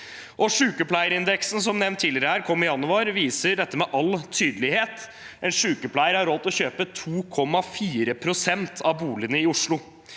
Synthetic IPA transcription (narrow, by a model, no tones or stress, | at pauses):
ʔɔʂʉːkəpʰlæɪəɾɪnd̪ɛksn̩s̬ɔmnɛʋnt̪ʰːiːlɪɾəhæːɾkʰɔmːɪjɑnʉɑɾʋiːsəɖ̪ɛt̪ːəmɛːʔɑlːt̪ʰyːd̪əlɪheːt̪ | ʔɛnʂʉːkəpʰlæɪəɾhɑɾɔlt̪ɔçøːpət̪ʰuːkʰɔmːɑfiːɾəpʰɾʊsɛnt̪ʰɑʋbuːlɪənəɪʊʂɭʊ